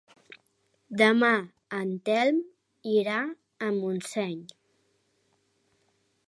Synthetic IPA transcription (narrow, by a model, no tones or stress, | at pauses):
d̪əma | ənt̪ɛlˠm | iɾa | əmunsɛɲ